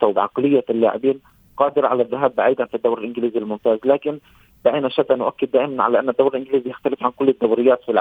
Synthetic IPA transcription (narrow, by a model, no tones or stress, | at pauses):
t̪awbʕɑ̰qlɪjːalːa̰ʕɪ̰biːn | qɑːd̪ɪɾʕa̰laðːɪɦaːbːaʕiːd̪anfid̪ːawɾɪlʔɪnɡɪliːzilmʊmt̪aːzlaːkɪn | b̪aʔiːnaʃat̪ːanʊʔakːɪd̪ːaːʔɪmanʕa̰laːʔanːad̪ːawɾɪlʔɪnɡɪliːzijaxt̪alɪfʕankʊlːɪd̪ːawɾɪjːaːt̪filʕ